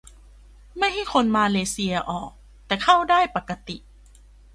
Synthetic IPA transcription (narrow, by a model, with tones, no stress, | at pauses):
ma˥˩jɦa˥˩jkʰo˧nmaː˧leː˧si˧ɐʔɔː˨˩k̚ | t̪ɛː˨˩kʰa˥˩wdaː˥˩jpa˨˩kːa˧t̪i˨˩ʔ